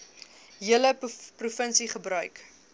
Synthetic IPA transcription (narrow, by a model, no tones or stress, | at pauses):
ɦiələprufənsiχəbrœɥk